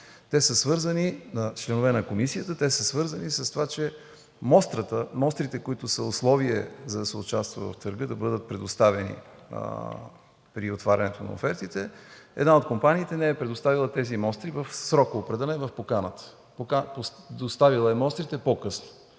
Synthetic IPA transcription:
t̪ɛsəsvɤɾzəninɐt͡ʃlɛnovɛnɐkomisiət̪ət̪ɛsəsvɤɾzɐnisɐst̪ovat͡ʃɛ | mɔst̪ɾət̪əmɔst̪ɾit̪ɛkoit̪ʊsəoslˠɔviɛzɐd̪ɐsɛʊt͡ʃast̪vɐ̰vɐ̰ft̪əɾɡɤd̪ɐbɤd̪ət̪̚pɾɛd̪ost̪avɛnḭ | pɾiot̪vaɾʲɐnɛt̪onɐ̰o̰fɛɾt̪it̪ɛɛ̰d̪naot̪kompaniːt̪ɛnɛɛpɾɛd̪ost̪avilˠət̪ɛzimɔst̪ɾivəfsɾɔkoːpɾɐd̪anɛvɐfpokanət̪ə̥ | pokaposd̪ost̪avilˠəɛmɔst̪ɾit̪ɛpokɤsnʊ̥

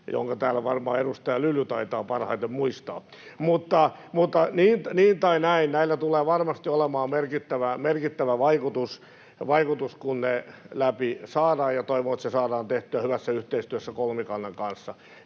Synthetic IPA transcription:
jo̰ŋkɑt̪æːlːæʋɑrmɑ̰ːedust̪ɑjɑlylːyt̪ɑit̪ɑːpɑrhɑ̰it̪emmuist̪ɑ̰ː | mut̪ːɑmut̪ːɑniːnniːnt̪ɑinæinnæilːæt̪uleːʋɑrmɑst̪iolemɑːmerkit̪ːæʋæmerkit̪ːæʋæʋɑikut̪us | ʋɑikut̪uskunne | læpisɑːdɑːjjɑt̪oiʋoːet̪sesɑːdɑːnt̪eht̪yæhyʋæsːæyht̪eist̪yøsːækolmikɑnːeŋkɑnsːɑ

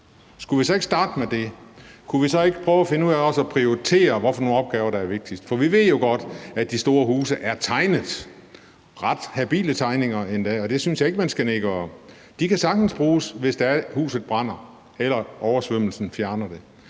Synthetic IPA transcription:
sɡ̥uʋisɒ̽e̝ɡ̥sd̥ɑ̈ːd̥əmed̥e̝kʰuʋisɒ̽e̝ɡ̥ə̥pʰʁœːʊæfe̝nəuðˠæɒ̽sɒ̽pʰʁioit͡sʰe̝̰ːɐʋɒfɒ̽no̝ːnɒb̥ɡ̥ɛːʊɐɾ̥ɑ̈æɐʋe̝ɡ̥̚d̥isd̥fɒ̽ʋiʋe̝ð̰ˠjo̝ɡ̥ɒ̽d̥æd̥isd̥o̝ːɐhuːsəʔæɐt͡sʰɑ̈ɪnəð̩ˠ | ʁɑ̈d̥hæb̥ḭːlət͡sʰɑ̈ɪne̝ŋɐend̥ɛ̰ːɒ̽d̥e̝synsjɑ̈e̝ɡ̥əmænsɡ̥æne̝ɡ̥əɒ̽ | d̥ikʰæsɑ̈ɡ̥̚d̥n̩sb̥ʁuːsʋe̝sd̥ɑ̈æɐhṵːsð̞̩ˠb̥ʁɑn̰ɐ | elɐʔɒʊɐsʋøm̰l̩sn̩fjæɐnɐd̥e̝

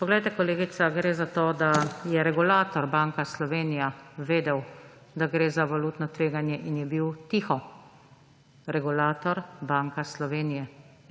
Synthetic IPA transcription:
pɔɡlɛjt̪ɛkɔleːɡit̪saɡɾeːzat̪oːd̪ajɛɾɛɡulaːt̪ɔɾbaːŋkaslɔʋeːnijaʋeːd̪ɛw | d̪aɡɾeːzaʋaluːt̪nɔt̪ʋeːɡanjɛʔinjɛbiwt̪ixɔ | ɾɛɡulaːt̪ɔɾbaŋkaslɔʋeːnijɛ

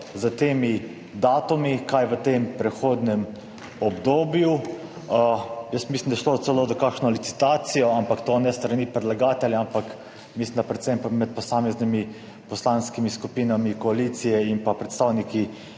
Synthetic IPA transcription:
zət̪eːmi | d̪aːt̪umikajʋət̪eːmpɾɛxoːd̪nɛm | ɔbd̪oːbju | əjəsmislʲimnd̪aʃloːt̪sɛloːzɔkakʃnɔlit̪si̥t̪aːt̪sijɔampakt̪oːnɛst̪ɾaniːpɾɛd̪laɡaːt̪ɛljaampak | mislimnd̪apɾɛt̪sɛmpamɛt̪̚pɔsaːmɛznimi | pɔslaːnskimiskupiːnamikɔaliːt̪sijɛimpapɾɛt̪st̪aːwniki

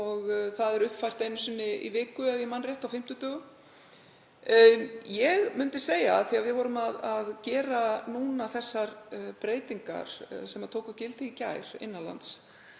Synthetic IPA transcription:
ɔɣθaðɛɾʏhpfajr̥t̪ejnʏsʏnːɪḭvɪːkʏaðjɛmanrjɛht̪awfɪm̥t̪ʏt̪œːɣʏ | jɛɣmʏnt̪ɪseːjaðθiavɪðvɔɾʏmaðaðcɛːɾanuːnaθɛsːaɾpɾeːjt̪iŋka̰ɾ̥̰sɛmaðt̪ʰoːwkʏcɪlt̪ʰɪicajɾ̥ɪ̰nːala̰nt̪s

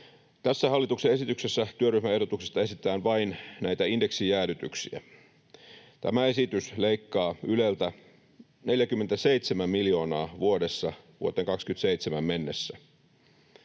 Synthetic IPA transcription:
t̪æsːæɦɑlːit̪uksee̞sit̪ykse̞sːæt̪yøryhmæe̞hdo̞t̪uksest̪ɑe̞sit̪ˑæːnʋɑinnæjt̪æinde̞ksijæːlyt̪y̰ksḭæ̰ | t̪æ̰mæe̞sit̪ysle̞ikːɑːyle̞lt̪æ | ne̞ljækymːent̪æse̞it̪semæmmiljo̞ːnɑːʋuode̞sːɑʋṵot̪eŋkɑkskyt̪seit̪semæmmenːesːæ

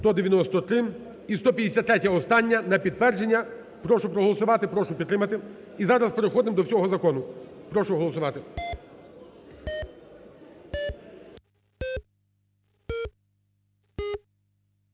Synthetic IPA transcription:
t̪ɔd̪eʋjɐnɔst̪ɔt̪ɾɪ | ist̪ɔpʲjɐd̪ʲesʲat̪ːɾɛtʲɐɔst̪ɑnʲːɐnɐpʲid̪̚t̪ʋɛrd͡ʒe̞nʲːɐ | pɾɔʃʊpɾɔɦɔlˠɔsʊʋɑt̪ɪpɾɔʃʊpʲit̪ːɾɪmɐt̪ɪ | izɑɾɐspeɾexɔd̪ɪmd̪ɔwsʲɔɦɔzɐkɔnʊpɾɔʃʊɦɔlˠɔsʊʋɑt̪ɪ

